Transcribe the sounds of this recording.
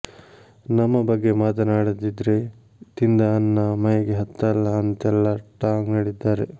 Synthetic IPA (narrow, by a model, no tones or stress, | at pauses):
nɐmːɐbɐɡːe̞maːt̪ɐnaːɽɐd̪id̪ɾe | t̪ind̪ɐɐnːɐmɐjɐɡeɦɐt̪ːɐlːɐːnt̪ɛlːɐʈaːknɐɽid̪ːaːɾe